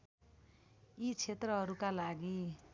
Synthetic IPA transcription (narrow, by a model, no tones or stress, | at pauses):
it͡sʰet̪rʌɦʌɾukalaɡi